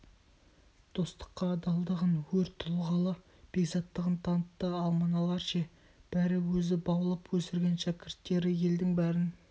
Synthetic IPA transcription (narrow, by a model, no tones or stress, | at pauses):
d̪̥o̞st̪ə̥qːɑd̪ɑlˠd̪əʁənwɵɾt̪ʰːʊlˠʁɑlˠə | b̥e̞ɡzɑt̪ːəʁənt̪ʰɑnət̪ːəɑlˠmɑnɑlˠɑɾʃe | b̥æɾɪwɵzɪbɑwəlˠəpʰwɵsɪɾɡʲenʃækʲɪɾt̪ːe̞ɾɪje̞ld̪ɪŋbæɾɪn